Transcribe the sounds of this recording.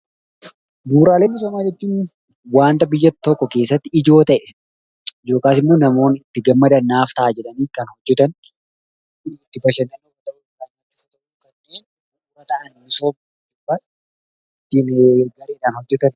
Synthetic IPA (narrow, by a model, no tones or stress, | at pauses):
ɡuːɾaːleːnːɪs̬omaːd͡ʒɛt͡ʃːuːn | waːnt̪ɐbɪjːɐt̪t̪ːɔkːɔke̞ːsːɐt̪ːɪɪd͡ʒo̞ːt̪ɐʔɛ | ɪd͡ʒo̞ːkaːsɪmːoːnɐmo̞ːnɪt̪ːɪɡɐmːɐd̪ɐnːaːft̪ɐʔaːd͡ʒɛᶑɐniːkɐnhɔd͡ʒːɛt̪ɐn | t̪ːɪbɐʃɐnɐniːt̪ɐʔuanɪt̪ːɪsɐt̪ɔ | t̪ɐnneː | wɐt̪ɐʔɐnmɪsoːm | ɪbɐ | ɪt̪ːinɡɐɾeːᶑaːnhɔd͡ʒːɛt̪ɐn